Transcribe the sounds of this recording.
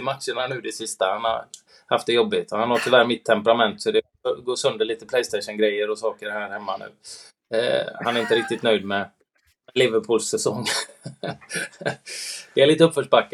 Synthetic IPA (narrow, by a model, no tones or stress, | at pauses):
ɪmat̪ʂəɳanʉ̟ːd̪ɛsɪst̪ahanha̰ɾ | haft̪d̪ɛjɔbːɪt̪ɔhanhɔɾt̪ʰʏvæːɾmɪt̪ʰːɛmpɛɾamɛnt̪sɔd̪ɛ | ɡoːsœnd̪əɭiːt̪əpʰlɛjst̪ɛɪʂənɡɾɛjːəɾɔsɑːkəɾhæːɾhɛmːa̰nʉ̟̰ː | hanæɾɪnt̪əɾɪk̚t̪ɪt̪nœʏjd̪mɛ | mɛlɪvəɾpʰuːlsɛsɔŋː | d̪ɛæɭiːt̪əɵpfœʂbakː